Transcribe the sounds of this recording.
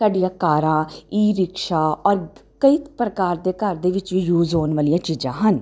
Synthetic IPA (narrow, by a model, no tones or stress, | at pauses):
saːɖijãːkaːɾãːiːɾɪkʃaːɔːɾkəiːpɾəkaːɾd̪eːkəɾd̪eːʋɪt͡ʃʋiːjuːzɦoːnʋaːlijãːt͡ʃiːzãːɦən